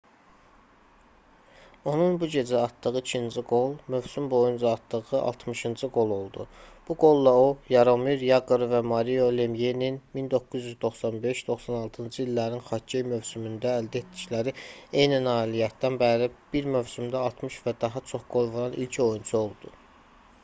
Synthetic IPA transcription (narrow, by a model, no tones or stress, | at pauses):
o̞nunbuɟe̞d͡ʒæɑt̪d̪ɯɣɯicʰind͡ʒiɡo̞lˠmø̞vsymbo̞jund͡ʒɑːt̪d̪ɯɣɯɑ̰lˠt̪ʰmɯʃɯnd͡ʒɯɡo̞lˠo̞lˠd̪ub̥uɡo̞lˠːɑojɑɾomiɾjɑɡuɾvæmɑɾijo̞lemjeninmind̪o̞kːuzjyzd̪o̞χsɑnbe̞ʃd̪̥o̞χsɑnɑlˠt̪ʰɯnd͡ʒɯilːæɾninχɑejmø̞vsymynd̪ææld̪æet̪̚d̪iclæɾie̞jninɑːilijæt̪̚d̪ænbælib̥iɾmøvsymd̪æɑlˠt̪ʰmɯʃvæd̪ɑɦɑt͡ʃʰo̞χɡ̥o̞lˠvoɾɑnʔilcʰo̞junt͡ʃʰuo̞lˠd̪̥u